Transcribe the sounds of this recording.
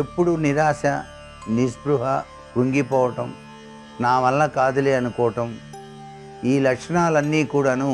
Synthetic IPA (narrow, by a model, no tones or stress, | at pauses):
epːuɽuniɾaːʃɐ | nisbɾuɦɐ | kuŋɡipɔːʋɐʈɐm | naːʋɐlːɐkaːd̪ɐleɐnukɔːɐʈɐm | iːlɐkʂɐnaːlɐnːiːkuːɽaːnu